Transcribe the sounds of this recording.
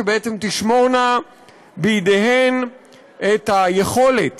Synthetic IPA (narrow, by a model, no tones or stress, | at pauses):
ebeʔet͡semt̪iʃmo̞ʁna | biid̪ehen | et̪hajeχo̞le̞t